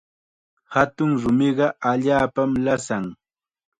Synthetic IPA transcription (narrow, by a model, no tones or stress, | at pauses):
hat̪ʊŋɾʊmɪɢɑaʎaːpamlasaŋ